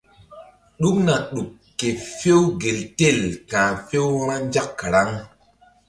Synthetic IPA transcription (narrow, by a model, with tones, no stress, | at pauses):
ɗu˦kna˨ɗu˨kːe˨fe˦wɡe˨lte˦˨lkãː˨fe˦wɾa˦n˦d͡ʒa˦kːa˨ɾa˦ŋ